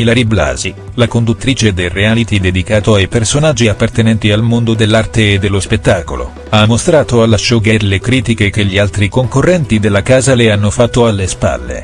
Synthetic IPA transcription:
ilaɾibla̰ːzi | lakond̪ut̪ːɾiːt͡ʃed̪ereaːlit̪id̪ed̪ikaːt̪oajpersonad͡ʒːiapːart̪enɛnt̪ialmond̪od̪elːart̪eːd̪ːelːospet̪ːaːko̰lo̰ | amːost̪ɾaːt̪oalːaʃoɡɛɾlekɾiːt̪ikek̟eʎːialt̪ɾikoŋkorːɛnt̪id̪elːakaːzaleanːofat̪ːoalːespa̰lːḛ

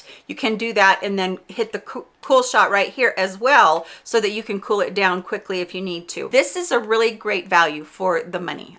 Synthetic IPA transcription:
jɨkʰɨ̃ndɨðɨɾɨ̃nðɨ̃nhɪt̪̚ðɨkʰkʰulˠʃɑt̚ɹaɪt̚hiɹʔɨzwɛlˠsoʊðɨt͡ʃɨkʰɨ̃nkʰulˠɨt̚d̥ãʊ̃nkʰw̥ɪkʰliɨfjɨnid̚tʰʉ̰ðɪsɨzəɹɪlˠiɡɹeɪtvælˠjʉfə˞ðəmʌ̰nḭ

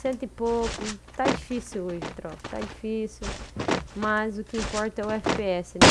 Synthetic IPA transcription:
sẽnt̪ɪpokʊt̪ad͡ʒifisiwoʒɪt̪ɾɔ̰̥t̪a̰d͡ʒifisumɐzʊkɪĩmpɔɾt̪ɐɛʊɛfipeɛsɪn

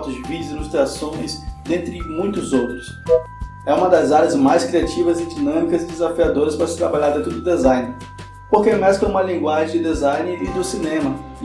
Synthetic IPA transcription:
t̪ʊzvid͡ʒʊzilust̪ɾiasõj̃sd̪ẽnt̪ɾɪmũj̃t̪ʊzowt̪ɾʊs | ɛũmɐd̪ɐzaɾjɐzmajskɾiat͡ʃivɐzɪd͡ʒinɐ̃mikɐzɪd̪ezafiad̪oɾɐspɾɐsɪ̥t̪ɾabaʎaɾd̪ẽt̪ɾʊd̪ʊd̪ezãj̃nɪ | poɾkemɛskɐũmɐlĩŋɡwaʒẽd̪ʊd̪ezajnɪɪd̪ʊsinẽmɐ

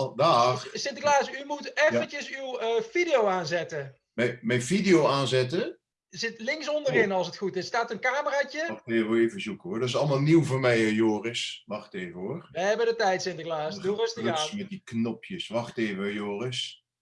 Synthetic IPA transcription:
daːrsɪntəklaːsymutɛfənt͡ʃəsywv̥idijowaːnzɛtə | mɛjmɛjnvidijowaːnzɛtə | zɪtlɪŋksɔndərɪnɑlˠsətxutɪsːtaːtənkaːməraːcəeːvəʋɛeːvəzukəɦʊːɹdɔtɪsɑlˠmaːlˠniwvoːɹmɛjəjoːrəsʋɑχteːvəɦʊːɹʋəɦɛbədətɛjtsɪntəklaːsosamɛtdiknɔpjəsʋɑχteːvəjoːrəs

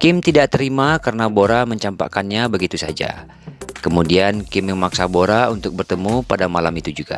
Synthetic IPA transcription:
kɪmt̪idaʔt̪əɾimakarənaboɾaməɲt͡ʃampa̰kanɲabəɡit̪usa̰d͡ʒa̰ | kəmudiankɪmjəŋmaksaboɾaunt̪ʊk̚bərt̪əmupadamalamit̪ud͡ʒuɡa̰

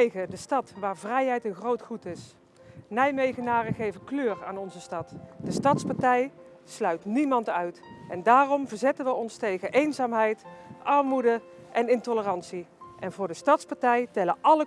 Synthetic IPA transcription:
ɣədəstɑtʋaːɹvrɛjɦɛjtənxrowtχutɪs | nɛjmejɣənaːrəχejvənkløːra̰ːnɔnzəstɑtd̥əstɑtspɑɹtɛj | slœɥtnimɑntœɥtʔɛndaːrɔmvəɹzɛtənʋəɔnstejɣəʔejnzaːmɦɛjtʔɑɹmudə | ʔɛnɪntɔlərɑnsiʔɛnvʊːɹdəstɑtspɑɹtɛjtɛləʔɑlə

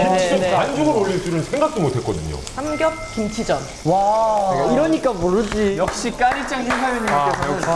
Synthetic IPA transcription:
eneɯeand͡ʑuɡɯɾoʎːiɭs͈uɾɯnsʰe̞ŋɡakʰimotʰe̞t̚k͈ʌdɯɲo̰samɡjʌp̚kimt͡ɕʰid͡ʑʌn | waiɾʌɲik͈amoɾɯd͡ʑijʌk̚ɕ͈ik͈aɾit͡ɕ͈aŋsʰeŋsʰajoɲikesʰa

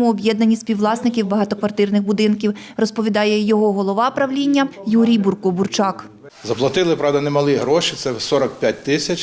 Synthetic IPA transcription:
mʊɔbʲjɛd̪nɐnʲːisʲpʲiwlˠɑsnɪkʲiwbɐɦɑt̪ɔkʋɐrt̪ɪrnɪxbʊd̪ɪnkʲiw | rɔspɔʋʲid̪ɑjɛjɔɦɔɦɔlˠɔʋɑpɾɐʋlʲinʲːɐjuɾʲijburkʊburt͡ʃɑk | zɐplˠɐt̪ɪlˠɪpɾɑwd̪ɐnemɐlˠiɦɾɔʃit̪sɛsɔɾɐkpʲjat̚ʲt̪ɪsʲɐt͡ʃ

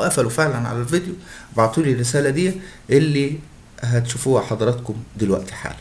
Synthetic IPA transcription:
ʔæfælufeʕlænʕa̰lælved̪jubɑʕt̪ˤiːlirːɪsæːlæd̪ijːæʔelːi | ɦæt̪ʃufuːħɑd̪ˤɑɾˤɑt̪kʊmd̪elwæ̰ʔt̪i̥ħa̰ːl

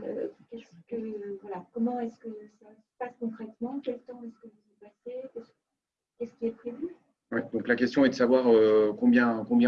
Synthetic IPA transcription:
ø̰kʲɛskəvwalakɔmɑ̃ɛskəsasə̥paskɔ̃kχɛt̪mɑ̃kʲɛlt̪ɑ̃ɛskəvuzɛ̃pasekʲɛsk | kʲɛskʲiɛpχevy | wɛd̪ɔ̃klakʲɛst̪jɔ̃ɛd̪əsavwaʁøkɔ̃bjɛ̃kɔ̃bjɛ̃

